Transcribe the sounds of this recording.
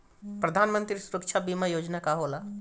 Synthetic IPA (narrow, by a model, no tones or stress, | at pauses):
pɾɐd̪ʱaːnmə̃nt̪ɾisuɾəkʃʰabimajoːd͡ʒnakaɦoːla